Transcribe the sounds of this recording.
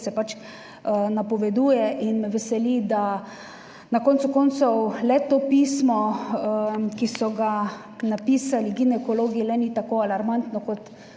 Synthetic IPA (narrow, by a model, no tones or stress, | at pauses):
sɛpat͡ʃ | napɔʋɛd̪uːjɛʔinʋɛsɛlid̪a | nakɔːnt̪sʊkɔnt̪sɔwlɛt̪oːpiːsmɔ | kisɔɡa | napiːsaliɡinɛkɔloːɡilɛnit̪akoːalaɾmant̪nɔkɔt̪